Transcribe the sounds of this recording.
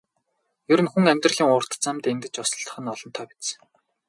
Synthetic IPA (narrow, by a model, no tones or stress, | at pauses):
jɵɾɘ̆nxuŋæmʲt̪rə̆ɮiːŋʊr̥t̪t͡samt̪ent̪ɘ̆t͡ɕɔsɞ̆ɬt̪ə̥̆χɘ̆nɔɮɞ̆nt̪ʰœːpʲi̥t͡s